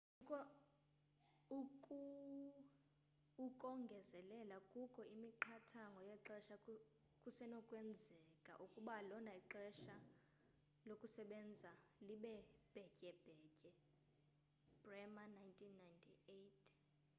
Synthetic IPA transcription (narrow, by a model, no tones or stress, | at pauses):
kʼɔ | ukʼu | ukʼɔŋɡʱɛzɛlɛlakʼukʰʼɔimiǃʰatʰaŋɡʱɔjɛǁɛʃa | kʼusɛnɔkʼwɛnd͡zʱɛkʼa̰ʔukʼuɓalɔnaiǁɛʃa | lokʼusɛɓɛnd͡zʱaliɓɛb̥ʱɛcʼɛb̥ʱɛːcʼɛ | b̥rɛmanajntʰʼinːajntʰietʰ